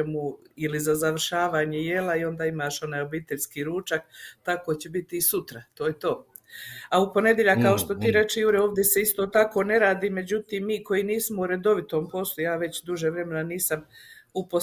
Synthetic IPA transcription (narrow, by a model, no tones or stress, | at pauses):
muilizazaʋr̩ʃaːʋaːɲeje̞laio̞nd̪aːimaʃo̞naːjo̞biːt̪eʎʲskiːɾuːt͡ʃak̚t̪ako̞t͡ɕebit̪iːsut̪ɾat̪oːjet̪o̞ː | aupo̞ne̞d̪jeʎakkːao̞ʃt̪o̞t̪iːɾe̞t͡ʃejuɾeo̞ːʋd̪ʲjese̞ist̪o̞ːt̪ako̞ːne̞ɾaːd̪iːme̞d͡ʑut̪iːmːiːko̞iniːsmouɾe̞d̪o̞ʋit̪o̞mpo̞slˠujaːʋe̞t͡ɕd̪uʒeʋɾe̞me̞naniːsamupo